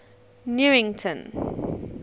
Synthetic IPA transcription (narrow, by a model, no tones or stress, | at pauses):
njuɪ̃ŋtʰə̃n